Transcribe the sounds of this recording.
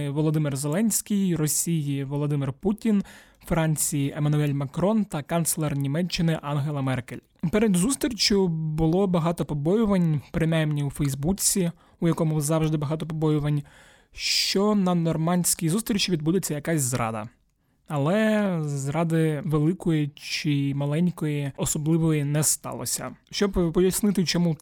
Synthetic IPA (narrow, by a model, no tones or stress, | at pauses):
ʋɔlˠɔd̪ɪmɪrzelˠɛnʲsʲkʲijrɔsʲijiʋɔlˠɔd̪ɪmɪrputʲin | fɾɑnʲt͡sʲijiʔemɐnʊɛlʲmɐkɾɔnt̪ɐkant̪slˠɛrnʲimɛt͡ʃːɪnɪʔɑnɦelˠɐmɛrkḛlʲ | pɛɾed̪zust̪ɾʲit͡ʃʲʊbʊlˠɔbɐɦɑt̪ɔpɔbɔjʊʋɐnʲpɾɪmɛmnʲiwufɛjzbut͡sʲi | ʊjɐkɔmʊzɑwʒd̪ɪbɐɦɑt̪ɔpɔbɔjʊʋɐnʲ | ʃt͡ʃɔnɐnɔrmɑnʲsʲkʲijzust̪ɾʲit͡ʃiʋʲid̪̚bud̪et͡sʲːɐjɐkɑsʲzɾʔɑ̰d̪ɐ̰ | ɐlˠɛzɾɑd̪ɪʋelˠɪkɔjit͡ʃɪmɐlˠɛnʲkɔjiɔsɔblˠɪʋɔjinɛst̪ɑ̰lˠɔ̰sʲɐ̰ʃt͡ʃɔbpɔjɐsnɪt̪ɪt͡ʃɔmu